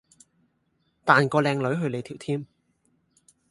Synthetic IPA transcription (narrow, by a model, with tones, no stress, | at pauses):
t̪aː˨nkɔː˧lɛː˧ŋlɵ˨˥ɥɦɵ˧ɥle˨˧jt̪ʰiː˨˩wt̪ʰiː˥m